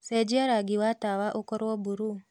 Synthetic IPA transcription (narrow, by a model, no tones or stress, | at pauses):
sed͡ʒiaɾaɡiwatawaʔokoɾwobuɾu